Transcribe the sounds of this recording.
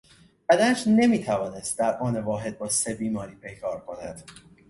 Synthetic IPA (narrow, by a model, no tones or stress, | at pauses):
b̥æd̪ææʃne̞miːt̪ʰævɒːne̞st̪̚d̪æɾʔɒːne̞vɒːɦe̞d̪̚bɒːse̞biːmɒːɾiːpʰe̞jkʰɒːɾkʰo̞næd̪̥